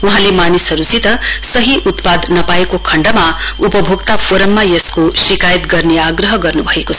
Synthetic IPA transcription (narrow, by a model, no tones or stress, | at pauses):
uɦãlemanisɦʌɾusit̪ʌsʌɦiʔut̪pad̪ʱnʌpaekokʰʌɳɖʌmaupʌbʱokt̪apʰoɾʌmːajʌskosikajət̪ɡʌrneaɡɾʌɦʌɡʌrnubʱʌekot͡sʰ